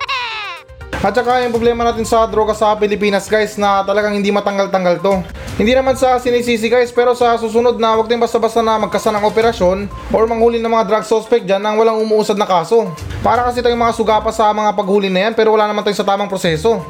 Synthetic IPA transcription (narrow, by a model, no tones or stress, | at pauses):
ʔɐt̪̚t͡ʃɐkajʊŋpɾoblɛːmɐnaːt̪ɪnsɐd̪ɾo̞ɡɐsɐpɪlɪpiːnɐsɡajsnɐt̪ɐlɐɡaŋhɪnd̪imɐt̪ɐŋɡalt̪ɐŋɡalt̪o̞ | hɪnd̪iːnɐmansɐsɪnis̬iːs̬ɪɡajspɛːɾo̞sɐsuːs̬ʊno̞d̪̚nɐwɐɡ̚t̪ɪŋbɐst̪ɐbast̪anɐmɐɡ̚kɐsalɐŋʔo̞pɛɾɐʃjo̞n | ʔo̞ɹmɐŋhuːlɪnɐmɐŋad̪ɾaɡ̚sospɛk̚d͡ʒanːɐŋwɐlaŋʊmuːʔuːsɐd̪nɐkaːso̞paːɾɐkɐs̬it̪ɐjʊŋmɐŋasʊɡaːpɐsɐmɐŋapɐɡhuːlɪnɐjanpɛːɾowɐlaːnɐmanɐjosɐt̪aːmɐŋpɾosɛːso̞